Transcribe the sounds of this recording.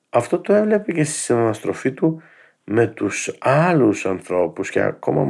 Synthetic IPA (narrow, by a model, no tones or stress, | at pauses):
ɐft̪o̞t̪o̞e̞vle̞pece̞st̪i̥sinɐnɐst̪ɾo̞fit̪u | me̞t̪usɐlusɐnθɾo̞puscḛɐ̰ko̞̰mɐ̰